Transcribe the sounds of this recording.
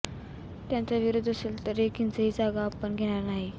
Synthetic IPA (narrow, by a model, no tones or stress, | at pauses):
t̪jant͡saʋiɾod̪ʱəseːlt̪əɾekint͡səɦiːd͡zaɡaːpəɳɡʱeɽ̃aɾnaɦi